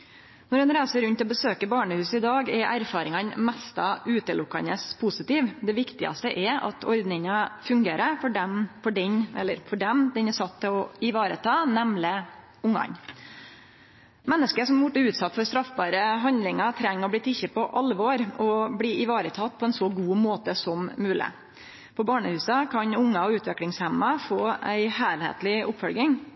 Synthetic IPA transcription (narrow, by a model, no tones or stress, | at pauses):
nɔɾɛnɾæɪsəɾʉnt̪ɔbəsøːkəbɑːɳəhʉːsɪd̪ɑːɡɛɾʔæɾfɑːɾɪŋɑnmɛst̪ɑʔʉːt̪əlʊkːɑ̰nəspʰʊsɪt̪iːʋd̪ɛʋɪkt̪ɪɑ̰st̪əʔɛɾɑ̰t̪ʰɔ̰ɾd̪nɪŋəfʉŋɡeːɾəfɔɖɛmfɔɖɛɲʔɛ̰lːəɾfɔɖɛmd̪ɛnɛsɑt̪ʰːəɔɪʋɑːɾə̰t̪ʰɑːnɛmlɪ | ʊŋːɑ̰ɲ | mɛnːəskəsɔmbʊʈːəʉːt̪sɑt̪ːfɔɾst̪ɾɑfbɑːɾəɦɑnd̪lɪŋɑt̪ʰɾɛŋːɔblɪt̪ʰːɪçːəpʰɔʔɑlʋoːɾɔbliːɪʋɑːɾət̪ʰɑt̪ːpʰɔɛnsɔɡuːmoːt̪əsɔmmʉːlɪ̰ | pʰɔbɑːɳəhʉːsɑkʰɑɲʊŋːɑɔʉːt̪ʰʋɛklɪŋshɛmːɑfoːæɪhæːlhḛːt̪lɪʊpfɔlɡɪŋ